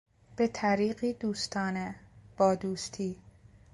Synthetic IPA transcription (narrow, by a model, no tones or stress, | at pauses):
b̥e̞t̪ʰæɾiːɢiːd̪uːst̪ʰɒːneb̥ɒːd̪uːst̪ʰiː